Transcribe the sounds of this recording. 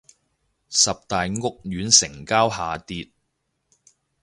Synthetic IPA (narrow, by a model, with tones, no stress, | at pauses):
sɐ˨p̚t̪aː˨jŋʊ˥k̚jyː˨˥nsɪ˨˩ŋkaː˥wɦaː˨t̪iː˧t̚